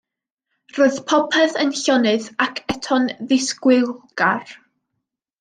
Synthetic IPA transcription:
r̥oð̥pʰɔpʰɛθənɬɔnɨðakʰɛtʰɔnðɪskwɪlˠɡ̥ar

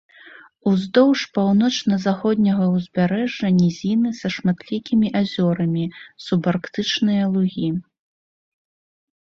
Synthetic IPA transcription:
uzd̪ɔwʂpawnɔt͡ʂnɐzaxɔd̪ʲnʲɐɣɐwzʲbʲaɾɛʐːɐnʲizʲinɨsɐʂmat̪lʲikʲimʲiʔazʲɔɾɐmʲisubarkt̪ɨt͡ʂnɨjɐlˠuɣʲi

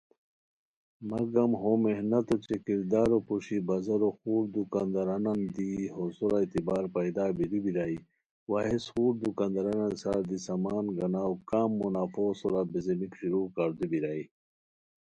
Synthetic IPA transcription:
mɐɡɐmɦomehnɐt̪ot͡ɕekiɾd̪aːɾopuʂibɐzɐɾoxuːɾd̪ukaːnd̪ɐɾanɐnd̪iɦosuɾait̪ibaːɾpɐjd̪aːbilibiɾaːi | waːɦesxuːɾd̪ukaːnd̪aɾanansaɾd̪isɐmaːnɡɐnaːwkaːmːunaːfoːsoɾabizemikɕiɾuːkaɾd̪ubiɾaːi

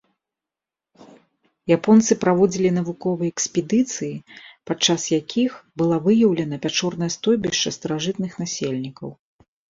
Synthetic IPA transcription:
japɔnt̪sɨpɾavɔd͡zʲilʲinɐvukɔvɐjɛksʲpʲɛd̪ɨt̪sɨjipat͡ʂːasjakʲʰixbɨlˠavɨjɐwlʲɐn̪ɐpʲat͡ʂɔrn̪ɐjɐst̪ɔjbʲiʂt͡ʂɐst̪ɐɾaʐɨt̪nɨxnasʲelʲnʲikɐw

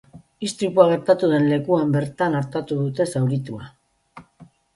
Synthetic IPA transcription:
ist̪ɾituaɣ̞e̞ɾt̪at̪uðe̞nle̞kuambe̞ɾt̪anaɾt̪at̪uðut̪e̞sawɾit̪ua

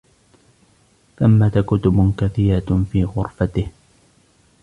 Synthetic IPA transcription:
θamːat̪akʊt̪ʊbkaθiːɾafiːɣʊɾfat̪ɪh

